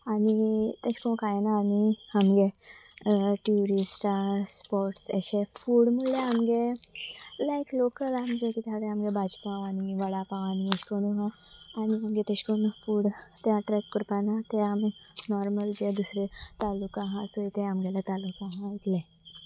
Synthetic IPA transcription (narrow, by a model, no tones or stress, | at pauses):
aɽ̃it̪eɕkõkajnaːniamɡe | ʈjuɾisʈaɾɾspɔɾʈseɕefuːɽmuleamɡe | laeklokəlamɡet̪it̪ʰjaʋɽeamɡebʱad͡zpaʋaɽ̃iʋəɽapãʋañieɕkonuɦa | aɽ̃iamɡet̪eɕkonufuːɽ | t̪jaʈɾɛkːuɾpanat̪eam | nɔɾməld͡ʑed̪usɾet̪alukaɦãt͡sojt̪eamɡelat̪alukaɦãait̪lẽ